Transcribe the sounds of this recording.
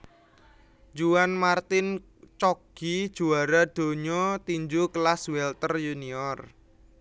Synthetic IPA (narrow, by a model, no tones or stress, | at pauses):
d͡ʒuanmart̪ɪn | t͡ʃɔɡ̥id̥ʒ̥uaɾad̪̥o̤ɲɔt̪iɲd͡ʒuklaswɛlt̪ərjuniɔr